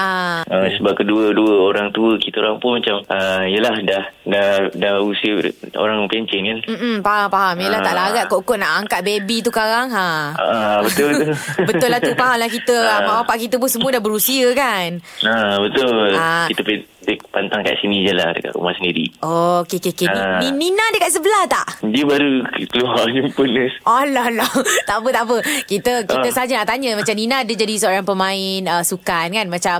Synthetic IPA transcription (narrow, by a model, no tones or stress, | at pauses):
ʔaəsəbap̚kəduəduəoɾaŋt̪uəkit̪əoɾaŋpʊnmat͡ʃamʔəijəlahdahdadahusiə̰o̰ɾaŋpeɲt͡ʃɛŋkanm̩m̩paɦampaɦamijəlah̪aʔlaɡaʔkoʔkɔʔnaʔaŋkat̪̚bebit̪ukaɾaŋaaʔabət̪ʊlbət̪ʊlbət̪ʊlaht̪upaɦamlahkit̪əmawapaʔkit̪əp̬ʊnsəmuədahbəɾusiəkanabət̪ʊllakiəpept̪ɪk̚pant̪aŋka̰ʔ̪̚sinid͡ʒəla̰hdə̰ka̰ʔ̪ɾṵma̰hsəndiɾḭʔɔokekekeninininãdəkat̪̚s̬əbəlaht̪aʔdiəbaɾukəluarjimpənəsʔɔlɔlɔt̪aʔpət̪aʔpəkit̪əkiəsəɦad͡ʒənaʔt̪aɲəmat͡ʃamninãːdəd͡ʒadisəoɾaŋpəmãɪnəsukankanmat͡ʃam